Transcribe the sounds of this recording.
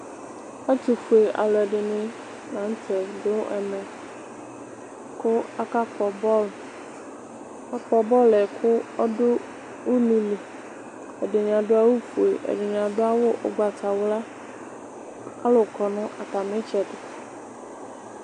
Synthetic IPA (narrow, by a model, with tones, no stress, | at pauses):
a˦t̪u˨fu˨e˨ʔa̰˨lɔ˨ɛ˨ɖɪ˨nɪ̃˨˦ | nã˨˦n˦t̪ʰɛ˨dʊ˦ɛ̰˨mɛ̃˨ | kʰʊ˦a˦ka˦kɔ˨bɔ˦l | a˦k͡pɔ˨bɔ˦lɛ˨kʰʊ˦ɔ˦dʊ˦ | wu˦mĩ˨li˨ | ɛ˨ɖɪ˨ɲã˨ɖʊ˦a˦wu˦fu˨e˨ʔɛ̰˨ɖɪ˨ɲã˨dʊ˦a˦wʊ˦ʔʊ̰˨ɡ͡ba˨tʰa˨wʊ˦la˦ | a˦lʊ˨kʰɔ˨nʊ̃˦ʔa˨ta˨mɪ̃˦t͡ʃɛ˨dɪ˨˦